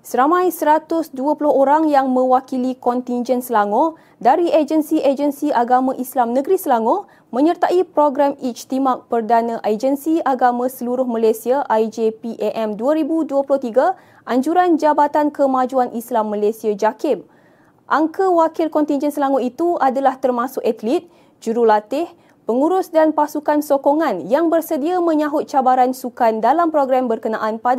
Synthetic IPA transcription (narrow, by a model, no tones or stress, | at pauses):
səɾamãjsəɾat̪ʊsduapulʊhoɾaŋjaŋmə̃wakilikɔnt̪ind͡ʒɛnsəlaŋɔ | daɾied͡ʒənsiʔed͡ʒənsiʔaɡamãʔislamnə̃ɡɾisəlaŋɔ | mə̃ɲərt̪aʔipɾoɡɾamit͡ʃt̪imak̚pərdanãʔad͡ʒənsiaɡamãsəluɾʊhmãlasiaʔajd͡ʒepiʔɛʔɛmduaɾibuduəpulʊht̪iɡa | ʔaɲd͡ʒuɾand͡ʒabat̪ankəmad͡ʒuanʔislamːãlesiad͡ʒakɪm | ʔaŋkəwakɪlkɔnt̪ind͡ʒɛnsəlaŋʊit̪uadalaht̪ərmãsʊkɛt̪lit̪̚ | d͡ʒuɾulat̪ɪh | pəŋuɾʊsdanpasukansokoŋãnjaŋbərsədiamə̃ɲãɦʊt̪̚t͡ʃabaɾansukandalampɾoɡɾambərkənãʔanpad